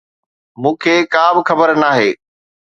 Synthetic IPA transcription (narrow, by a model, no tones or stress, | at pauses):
mũːkʰeːkaːbɪxɐbəɾnaːɦeː